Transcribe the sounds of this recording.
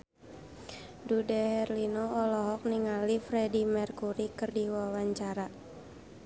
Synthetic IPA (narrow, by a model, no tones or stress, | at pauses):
dudɛhɛrlinɔɔlɔɦɔk̚niŋalifɾɛdimərkuɾikɨrdiwawaɲt͡ʃaɾa